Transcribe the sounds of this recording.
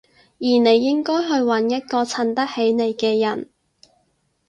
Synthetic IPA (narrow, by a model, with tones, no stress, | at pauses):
jiː˨˩ne˨˧jːɪ˥ŋkɔː˥jɦɵ˧ɥwɐ˨˧˥njɐ˥t̚kɔː˧t͡sʰɐ˧nt̪ɐ˥k̚he˨˥jne˨˧jkɛː˧jɐ˨˩n